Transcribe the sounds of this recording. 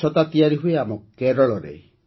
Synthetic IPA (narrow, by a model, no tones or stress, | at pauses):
ɔt̪at̪iaɾiɦueamɔkkɛɾɔlɔɾɛ̰